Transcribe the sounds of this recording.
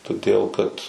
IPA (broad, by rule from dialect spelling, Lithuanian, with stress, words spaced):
toːˈdʲeːlˠ kɐt